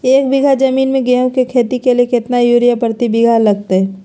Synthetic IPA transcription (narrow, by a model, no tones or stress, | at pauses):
eːk̚bɪɡʱad͡ʒɐmiːnmẽɡɛ̃ːkekʰeːt̪ikelijekɪt̪najuːɾijapəɾt̪ibɪɡʱalɐɡ̚t̪eɦɛː